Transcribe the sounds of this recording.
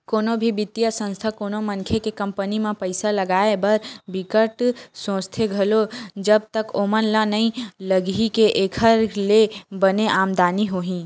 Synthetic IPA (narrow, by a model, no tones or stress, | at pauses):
koːnobʱibɪt̪ːjasə̃nst̪ʰakoːnomənkʰekekə̃mpənimẽpəɪsaləɡaːebəɾbikəɾʈsõːst̪ʰeɡʱəlod͡ʒəb̚t̪əkoːmənlãnəĩləɡikeʔeːkʰəɾlebəneʔaːmd̪aːniɦoɦĩ